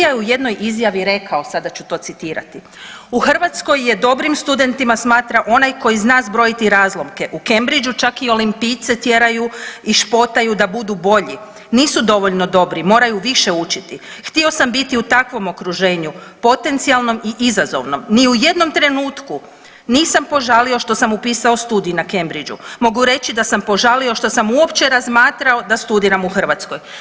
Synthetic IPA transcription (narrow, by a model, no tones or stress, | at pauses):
ajeujed̪no̞jʔizjaʋiɾe̞kʰaosad̪at͡ɕut̪o̞ːt̪sit̪iːɾa̰t̪i | uxr̩ʋat̪sko̞jːe̞d̪o̞bɾimst̪ud̪e̞nt̪imasmaːt̪ɾaʔo̞najko̞jiznaːzbɾo̞it̪iɾaːzlˠo̞mke̞ʔuke̞mbɾid͡ʒut͡ʃakio̞limpijt̪se̞t̪je̞ɾajuiʃpo̞t̪ajud̪abud̪ubo̞ʎi | niːsud̪o̞ʋo̞ʎno̞d̪o̞bɾimo̞ːɾajuʋiʃe̞ut͡ʃit̪ixt̪io̞sambit̪iut̪akʋo̞mo̞kɾuʒe̞ːɲupo̞t̪ent̪sialˠno̞miʔizazo̞̰ʋno̞mniuje̞d̪no̞mt̪ɾe̞nuːt̪ku | niːsampo̞ʒalio̞ʃt̪o̞samupiːsaost̪uːd̪ijunake̞mbɾid͡ʒṵmo̞ɡuɾe̞t͡ʃid̪asampo̞ʒalio̞ʃt̪o̞samuopt͡ʃe̞ɾazmaːt̪ɾao̞d̪ast̪ud̪iːɾamuxr̩ʋat̪sko̞j